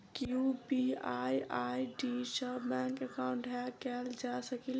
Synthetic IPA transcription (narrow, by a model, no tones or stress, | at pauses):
kiupiajajɖisəbmɛ̃ŋkəkaũɳʈakɛld͡ʒasəkil